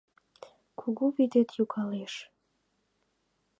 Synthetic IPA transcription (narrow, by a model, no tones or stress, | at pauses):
kʰuɣuβid̪et̪jukʰɑleʃ